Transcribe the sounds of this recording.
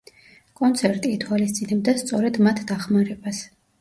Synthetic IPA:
kʼɔnt̪sʰɛɾt̪ʼiːt̪ʰwalist̪sʼinɛb̚d̪ast̪sʼɔɾɛd̪mat̪ʰd̪aχmaɾɛbas

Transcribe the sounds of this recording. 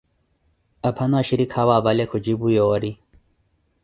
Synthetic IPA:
ɐpʰɐnaɕiɾikʰawaːbalekʰod͡ʑibujowɐɾi

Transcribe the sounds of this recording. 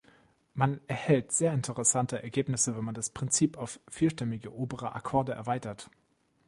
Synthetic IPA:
manɛɐhɛltz̥eːɐɪntʰəʁɛsantəʔɛɐɡeːpnɪsəvɛnmandaspʁ̥ɪnt͡siːpaʊffiːlʃtɛmɪɡəʔoːbəʁəʔa̰kʰɔɐdəʔɛ̰ɐvaɪtɐt

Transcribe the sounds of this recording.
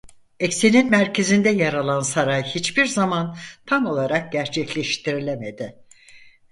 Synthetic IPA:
ɛcseninmæɾcʰe̞zind̪ɛjaɾalˠansaɾajhit͡ʃbiɾzamant̪ʰamo̞lˠaɾak̚ɟæɾt͡ʃʰɛclʲɛʃt̪ʰiɾilʲemed̪ɪ

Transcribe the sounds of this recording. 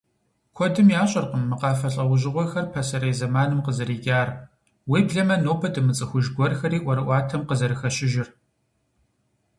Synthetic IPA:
kʷʰɔdɨmjaːɕʼɐrqəmːɨqɑːfɐɬʼɐwʊʑɪʁʷɔxɐrpʰɐsɐɾeːzɐmaːnɨmqəzɐɾiːɡʲʼaːr | wiːbɮɐmɐnoːpʰɐdɨmɨt͡sʼɨxʷʊʒɡʷɔrxɐɾiːʔʷɔɾɨʔʷɑːtʰɐmqəzɐɾɨxɐɕɪʒɪr

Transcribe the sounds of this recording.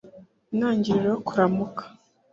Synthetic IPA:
naːɲɟiɾiɾookuɾamukʰḁ

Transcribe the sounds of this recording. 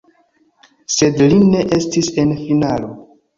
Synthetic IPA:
se̞dline̞ʔe̞stise̞nfinalo̞

